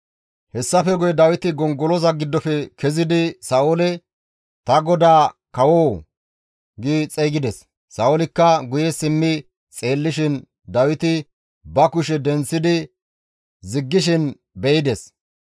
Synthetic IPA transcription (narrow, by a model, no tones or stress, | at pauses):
hɛsːɐfɛɡʊjɛd̪ɐwɪt̪ɪɡɔŋɡɔlɔzɐɡɪd̪ːɔfɛkʰɛzɪd̪ɪsɐolɛ | t̪ɐɡɔd̪aːkɐwoː | ɡit͡sʼɛːɡɪd̪ɛsː | ɐʔolɪkːɐɡʊjɛsɪmːɪ | t͡sʼe̞ːlːɪʃɪn | d̪ɐwɪt̪ɪ | bɐkʊʃɛd̪ɛnt͡sːɪd̪ɪ | zɪɡːɪʃ̬ɪn | bɛɪd̪ɛs